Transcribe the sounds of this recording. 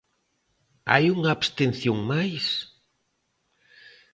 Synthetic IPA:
a̰juŋaːbst̪enθjoŋmajs

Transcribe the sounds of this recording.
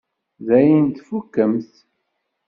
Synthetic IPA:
ðæjənt̪fukːəmθ

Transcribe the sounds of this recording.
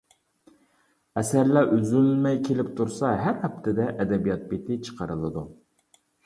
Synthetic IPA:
ɛsæɾlæʔyzylmɛjkʲʰelɪpt̪ʰuɾsɑɦæɾhɛp̚t̪ʰɪd̪ɛʔɛd̪ɛbijɑt̪̚bet̪ʰɪt͡ʃʰə̥qʰəɾɨlˠɨd̪u

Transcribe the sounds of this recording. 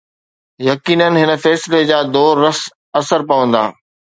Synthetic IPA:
jɐkiːnənɦɪnə̆fɛːsled͡ʑaːd̪oːɾːɐs | ɐsəɾpɐʋə̃nd̪a̰ː

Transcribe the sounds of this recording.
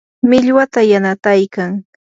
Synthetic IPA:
mɪʎwat̪ajanat̪ajkaŋ

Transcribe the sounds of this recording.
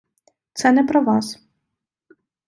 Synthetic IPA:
t̪sɛnɛpɾɔvas

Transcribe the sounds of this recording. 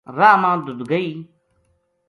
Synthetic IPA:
ɾaːmãːd̪ʊd̪ɡəiː

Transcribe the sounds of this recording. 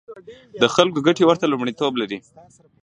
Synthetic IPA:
d̪əxalkoɡaʈewəɾt̪alumɽit̪oblaɾi

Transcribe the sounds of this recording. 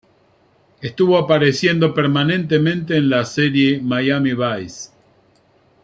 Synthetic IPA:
est̪uβo̞apaɾesje̞nd̪o̞peɾmanẽ̞nt̪emẽ̞nt̪eːnlaseɾjemajamiβajs

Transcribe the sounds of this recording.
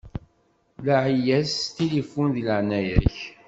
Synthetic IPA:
laʕijæst̪ilifunðləʕnæjəɾç

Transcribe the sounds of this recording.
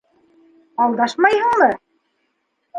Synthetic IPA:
ɑlˠd̪ɑʃmɑjɤ̆ɴlɤ̆

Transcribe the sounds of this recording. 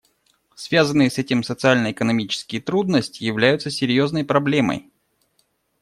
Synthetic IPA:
svʲazənːɨjəsɛtʲɪmsət̪sɨalʲnəɪkənɐmʲit͡ɕɪ̥skʲɪjət̪ɾud̪nəsʲtʲɪjɪvlʲæjʊt̪səsʲɪɾʲjo̞znəjpɾɐblʲe̞mə̰j

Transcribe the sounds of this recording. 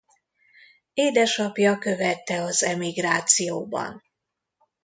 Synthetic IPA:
eːd̪ɛʃɒpjɒkø̞vɛt̪ːɛɒzɛmiɡraːt̪sijoːbɒ̰n

